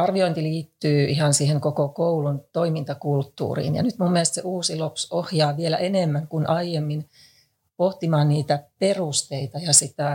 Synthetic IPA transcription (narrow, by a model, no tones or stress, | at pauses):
ɑrʋioint̪iliːt̪ːyːʔihɑnsiːheŋkokokoulunt̪oimint̪ɑkult̪ːṵːrḭːnjɑ̰nyt̪mumːielest̪sḛʔuːsilopsohjɑːʋielæ̰ʔenemːæŋkunʔɑijemːin | poht̪imɑːnniːt̪æperust̪eit̪ɑjɑsit̪æ